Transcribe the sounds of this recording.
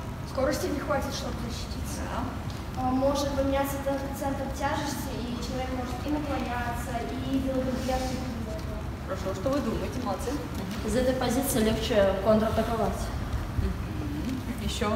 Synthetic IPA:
sko̞ɾəsʲtʲɪbnʲɪxvatʲɪt̪ʂt̪obəzəɕːɪ̥tʲit̪səa | mo̞ʐɨt̪vəmʲɪnʲat̪səd̪ənpət̪sɛnt̪ɾəmtʲaʐɨsʲtʲɪit͡ɕɪlˠɐvʲekmo̞ʐɨt̪inəklˠɐnʲat̪səid̪ʲɪlˠəɡ̪əzʲɪlʲat̪sʲɪtʲʊzɛt̪əəxəɾɐʂo̞ʂt̪ovɨd̪uməjɪtʲɪməlˠɐt̪sɨ | ɦɪzɛt̪əjpɐzʲit̪sɨlʲext͡ɕɪkont̪ɾət̪əkɐvatʲ | m̩ɦ̩ | jɪɕːo

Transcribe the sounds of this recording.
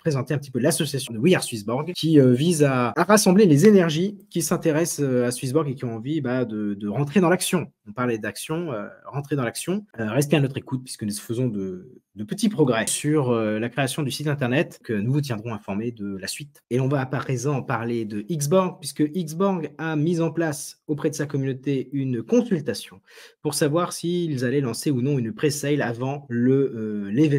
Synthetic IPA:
pχezɑ̃t̪eɛ̃pət̪ipølasɔsjas̬jɔ̃d̪əwijaʁsɥisbɔʁɡkʲiøvizaːʁasɑ̃blelezenɛʁʒikʲisɛ̃t̪eʁɛsøasɥis̬buʁɡekʲiɔ̃ɑ̃vibad̪əd̪əʁɑ̃t̪χed̪ɑ̃laksjɔ̃ | ɔ̃paʁlɛd̪aksjɔ̃ø̰ʁɑ̃t̪χed̪ɑ̃laksjɔ̃øʁɛs̬t̪eanɔt̪χekut̪̚pɥiskənuzəfəzɔ̃d̪əd̪əpət̪ipχɔɡʁɛsyʁølakχeasjɔ̃d̪ysit̪ɛ̃t̪ɛʁnɛt̪kənuvut̪̬jɛ̃d̪ʁɔ̃ɛ̃fɔʁmed̪əlasɥit̪elɔ̃vaːpaʁezɑ̃paʁled̪əʔiɡsbɔʁɡ̚pɥiskəʔiɡzbɔʁɡamizɑ̃plasopχɛd̪əsakɔmynot̪eynkɔ̃sylt̪asjɔ̃ | puʁsavwaʁsiːlzalɛlɑ̃seunɔ̃ynpχesɛjlavɑ̃ləlevɛ

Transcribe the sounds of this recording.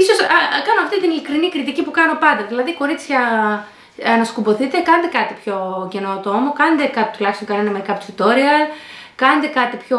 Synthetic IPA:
iso̞sɐkɐnoɐft̪it̪inilikɾinikɾit̪icipukɐno̞pɐnd̪ɐðilɐðiko̞ɾit͡sçɐ | ɐnɐskubo̞θit̪e̞kɐned̪e̞kɐt̪ipço̞ce̞not̪oomokɐned̪e̞kɐt̪i̥t̪ulɐçist̪oŋkɐnenɐmeɾikɐpt̪sit̪o̞ɾiɐkɐned̪e̞kɐt̪ipço

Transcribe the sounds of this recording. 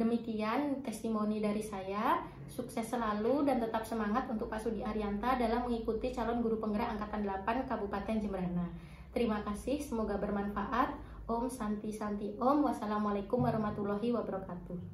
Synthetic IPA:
dəmikiant̪ɛst̪imonidaɾisaja | suksɛsːəlaludant̪ət̪ap̚səmaŋat̪unt̪ʊk̚pasudiaɾiant̪adalahməŋikut̪it͡ʃalɔnɡuɾupəŋɡəɾaʔaŋkat̪andəlapankabupat̪ɛnd͡ʒəmbəɾana | t̪əɾimakasɪhsəmoɡabərmanfaʔat̪̚ | ʔɔmsant̪isant̪iʔɔmwasalamalakumwaɾɔhmat̪ulɔɦiwabəɾɔkat̪u

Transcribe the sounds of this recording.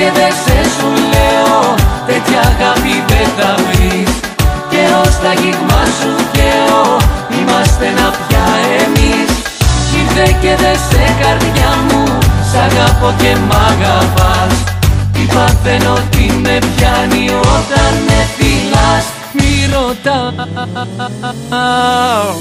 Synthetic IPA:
eðesesuleot̪et̪çɐɣɐpipet̪ɐvɾis | ceo̞st̪ɐʝiɣmɐsuceoimɐst̪e̞nɐpçɐemis | iɾðeceðesekɐɾðʝɐmusɐɣɐpoce̞mɐɣɐpɐs | ipɐθeno̞t̪imepçɐniot̪ɐnːefilɐs | miɾot̪ɐ

